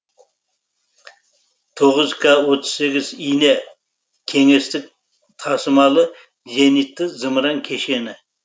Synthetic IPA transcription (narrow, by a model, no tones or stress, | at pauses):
t̪ʰoʁəzkʰawot̪ʰə̥zse̞ɡʲɪzijne | kʲʰe̞ŋe̞st̪ɪk̚ | t̪ʰɑsəmɑlˠə | ʒenit̪ːɪzəməɾɑŋkʲʰe̞ʃe̞nɪ